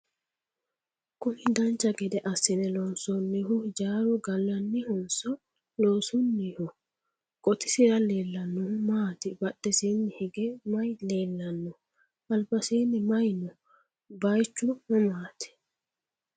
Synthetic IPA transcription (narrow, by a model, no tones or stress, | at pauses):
kʊnɪd̪ɐnt͡ʃːɐɡɛd̪ɛʔɐsːɪnɛlɔːnsɔnːihʊd͡ʒaːɾɔɡɐlːɐnːɪhʊnsɔ | loːsʊnːihʊ | kʼɔt̪ɪ̥sɪɾɐle̞ːlːɐnːɔmaːt̪ɪbɐɗːɛsiːnːɪhɛɡɛmɐjleːlːɐnːɔ | ʔɐlbɐsiːnːɪmɐjnɔ | bɐjt͡ʃːʊmɔmaːt̪ɪ̥